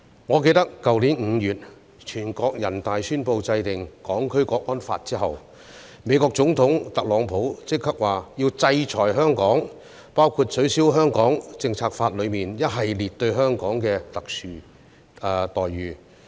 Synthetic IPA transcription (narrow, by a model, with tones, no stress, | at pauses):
ŋɔː˨˧k̬e˧jt̪ɐ˥kːɐ˨wliː˨˥nŋ̩ː˨˧jyː˨t̚ | t͡ʃʰyː˨˩nkɔː˧k̚jɐ˨˩nt̪aː˨jsyː˥npo˧wt͡sɐ˧jt̪ɪ˨˩ŋkɔː˨˥ŋkʰɵ˥ɥkɔː˧k̚ɔː˥nfa̰ː˧t̚t͡siː˥ɦɐ˨w | me˨˧jkɔː˧k̚t͡sʊ˨˥ŋt̪ʰʊ˨˥ŋt̪ɐ˨k̚lɔː˨˧ŋpʰo˨˥wt͡sɪ˥k̚ʰːɐ˥k̚waː˨˩jiː˧wt͡sɐ˧jt͡sʰɔː˨˩jɦœː˥ŋkɔː˨˥ŋ | paː˥wkʰuː˧t̚sʰɵ˨˥ɥsiː˨˥wɦœː˥ŋkɔː˨˥ŋt͡sɪ˧ŋt͡sʰaː˧k̚faː˧t̚lɵ˨˧ɥmiː˨˩njɐ˥t̚ɦɐ˨jliː˨t̚t̪ɵ˧ɥɦœː˥ŋkɔː˨˥ŋkɛː˧t̪ɐ˨k̚syː˨˧ | t̪ɔː˨jɥyː˨˧